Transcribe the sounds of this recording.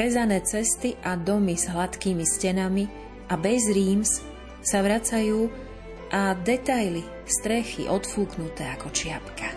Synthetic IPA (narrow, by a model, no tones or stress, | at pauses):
ɾɛzanɛːt͡sɛst̪iʔad̪ɔmiz̥ɦlat̪kiːmiscɛnami | ʔabɛzɾiːms | saʋɾat͡sajuː | ʔad̪ɛt̪ajli | st̪ɾɛxḭʔɔt̪fuːknut̪ɛːakɔt͡ʃɪapka